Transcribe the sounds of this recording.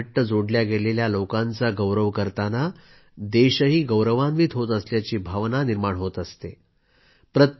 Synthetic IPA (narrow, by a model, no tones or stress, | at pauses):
ʈːəd͡zoɽljaɡeleljalokãnt͡saɡəwɾəʋkəɾt̪ana | d̪eɕəɦiːɡəwɾəʋãnʋiːt̪ʰɦot̪əsljat͡ɕiːbʱaʋnaniɾmaɳɦot̪əst̪e | pɾət̪